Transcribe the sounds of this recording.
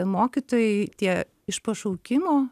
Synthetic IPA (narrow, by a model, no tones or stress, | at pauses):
moːkʲit̪oːjɛɪt̪ʲiɛ | ɪʃpɐʃɐʊkʲɪmoː